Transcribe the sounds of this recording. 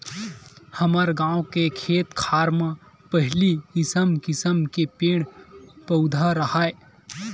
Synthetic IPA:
həməɾɡãːõkekʰeːt̪kʰaːɾmã | pəɦlikɪsəmkɪsəmkepeːɽ̃pəʊd̪ʱaɾəhaːe

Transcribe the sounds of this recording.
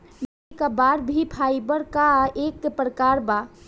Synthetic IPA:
m | ekabaɾbʱipʰaɪbəɾkaekpɾəkaɾba

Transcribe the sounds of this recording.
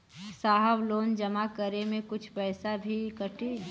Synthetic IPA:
saːɦəbloːnd͡ʒəmakəɾemẽkʊt͡ʃʰpɛːsabʱikəʈʰe

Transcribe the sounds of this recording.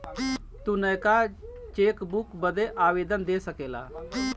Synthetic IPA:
t̪unəjkat͡ʃeːkbukbəd̪eʔaːʋeːd̪ənd̪esəkeːla̰ː

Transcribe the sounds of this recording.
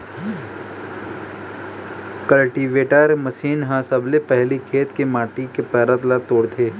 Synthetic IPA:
kəlʈiːʋeːʈəɾməsiːnɦãsɐblepɛɦlikʰeːt̪kemaːʈikepɛːɾət̪lat̪oːɽt̪ʰeː

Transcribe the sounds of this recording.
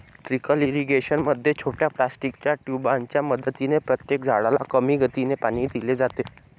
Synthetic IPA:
ʈɾikəliɾiɡeɕənməd̪ʱːjet͡ɕʰoʈjaplasʈikt͡ɕjaʈjubaɲt͡ɕjaməd̪ət̪inepɾət̪jekd͡zʱaɽalakəmiːɡʱət̪inepaɽ̃iːd̪iled͡zat̪e

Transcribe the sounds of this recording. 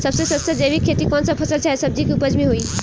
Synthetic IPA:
sɐbsesəst̪əd͡ʒəːbikʰːet̪ikɔːnsapʰəsəlt͡ʃʰaːɦesɐb̚d͡ʑikupəd͡ʑmĩɦoiː

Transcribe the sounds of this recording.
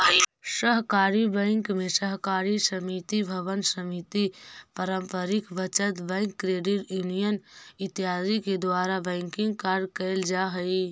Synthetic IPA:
səɦkaːɾibə̃ɪŋkmẽsəɦkaːɾisəmit̪ibʱəʋənsəmit̪ipəɾəmpəɾikbət͡ʃət̪bə̃ɪŋkːɾeːɖiʈjunijənɪt̪iɦaːziked̪waːɾabɛ̃ɪŋkɪ̃ŋɡkaɾɖkəɪld͡ʒaɦəi

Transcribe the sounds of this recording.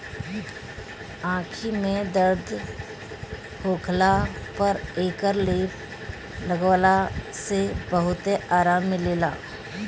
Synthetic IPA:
ãːkʰimẽd̪əɾd̪ | hoːkʰlapəɾeːkəɾleːp | ləɡwalasebəɦʊt̪eaːɾaːmːɪleːlaː

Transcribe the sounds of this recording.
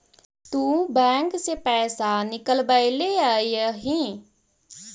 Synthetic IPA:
t̪ũːbɛ̃ːŋksepɛːsanɪkəlbaileaːiəɦĩ

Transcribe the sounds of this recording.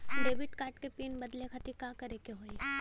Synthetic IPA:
ɖeːʋɪʈkaːɾʈkepiːnbɐd̪lekʰɐt̪ikakɐɾekeɦoːe

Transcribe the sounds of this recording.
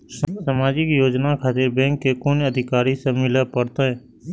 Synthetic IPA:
ssəmaːd͡ʒikjoːd͡ʒnakʰaːt̪ɪɾbɛ̃ːŋkːekonəd̪ʱɪkaːɾisemɪlapəɾt̪aɦɛ̃ː

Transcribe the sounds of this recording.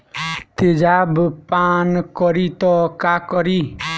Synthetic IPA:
t̪ed͡ʒabpankɔɾit̪ɔkakɔɾi

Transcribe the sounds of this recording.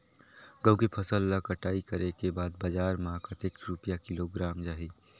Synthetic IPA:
ɡɐ̃w̃kipʰɐsəlːakɐʈaːikɐɾekebaːd̪bɐd͡ʒaːɾmɐɦakat̪ɪkʈɾupijakɪloːɡɾaːmd͡ʒaːɦiː

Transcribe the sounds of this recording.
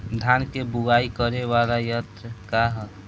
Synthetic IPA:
d̪ʱankebuɡaikəɾeʋalajət̪ɾəkaɦət̪

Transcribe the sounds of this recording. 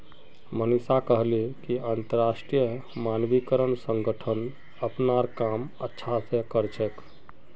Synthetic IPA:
mənisakəɦlikiant̪əɾasʈɾijəmanʋikəɾənsə̃ŋɡəʈʰən | əpnaɾkamətːʃʰasẽkəɾt͡ʃʰɛk

